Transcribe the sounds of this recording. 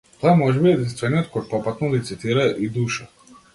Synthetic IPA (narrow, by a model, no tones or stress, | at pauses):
t̪ojɛmoʒɛbiɛd̪inst̪vɛniot̪̚kojpopat̪nɔlit̪sit̪iɾajɛʔid̪uːʃa